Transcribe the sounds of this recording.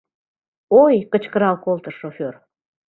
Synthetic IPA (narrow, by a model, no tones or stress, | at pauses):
ojkət͡ɕkəɾɑlkolt̪əʃofʲør